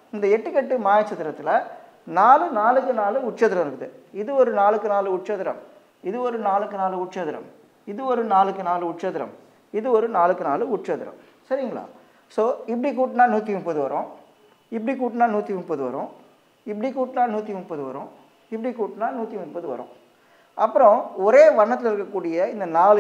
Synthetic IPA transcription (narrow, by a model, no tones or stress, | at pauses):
ɪnd̪ɐɛʈːɯkɛʈːɯmaːjɐt͡ʃːɐt̪ːɪɾɐt̪ːɪlɐ | naːlɯnaːlɯkːɯnaːlɯʊʈt͡ʃɐðɪɾɐmɪɾɯkːɯðɯɪðɯɔɾɯnaːlɯkːɯnaːlɯʊʈ̚t͡ʃɐðɪɾɐ̰m | ɪðɯɔɾɯnaːlɯkːɯnaːlɯʊʈt͡ʃɐðɪɾɐ̰m | ɪðɯɔɾɯnaːlɯkːɯnaːlɯʊʈt͡ʃɐðɪɾɐ̰m | ɪðɯɔɾɯnaːlɯkːɯnaːlɯʊʈ̚t͡ʃɐðɪɾɐ̰m | sɐɾɪŋɡɐɭa̰ː | soːɪp̬ːɐɽik̬uːʈːɯnaːnuːt̪ːimʊmpɐðɯʋɐɾõː | ɪp̬ːɐɽikuːʈːɯnaːnuːt̪ːimʊmpɐðɯʋɐ̰ɾõ | ɪpːɐɽikuːʈnaːnuːt̪ːimʊnpɐðɯʋɐ̰ɾõ̰ː | ɪpːɐɽikuːʈːnaːnuːt̪ːimʊnpɐðɯʋɐ̰ɾõ̰ | ʔɐpːɯɾɔ̃ɔɾeːʋɐɳːɐt̪ːɪlɪɾɯkːɐkːuːɽɪjɐɪnd̪ɐnaːlɯ